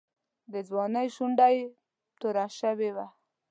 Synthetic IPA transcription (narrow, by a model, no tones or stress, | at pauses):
d̪əzwɑnəjʃuɳɖaj | t̪uɾaʃəwewa